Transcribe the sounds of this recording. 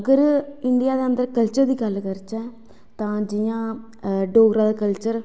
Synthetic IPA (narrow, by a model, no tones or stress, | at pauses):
əɡəɾɪɳɖɪjaːd̪eːənd̪əɾkəlt͡ʃəɾd̪iːkəlːkəɾt͡ʃɛ̃ː | t̪ãːd͡ʒijãː | ɖoːɡɾaːd̪aːkəlt͡ʃəɾ